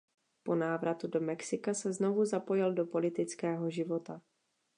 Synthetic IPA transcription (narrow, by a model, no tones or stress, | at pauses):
po̞naːvɾat̪udo̞mɛksɪkasɛzno̞vuzapo̞jɪldo̞po̞lɪt̪ɪt͡skɛːɦo̞ʒɪvo̞t̪a